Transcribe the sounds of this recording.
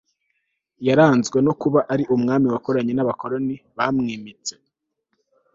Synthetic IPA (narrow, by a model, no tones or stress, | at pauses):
jaɾaːnzɡwe̞no̞kuβaʔaɾiʔumŋaːmiwakoɾaɲe̞naβako̞ɾo̞niβaːmŋiːmit͡se̞